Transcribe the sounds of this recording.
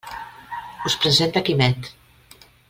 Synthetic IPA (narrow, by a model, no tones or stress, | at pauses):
uspɾəzent̪akimɛt̪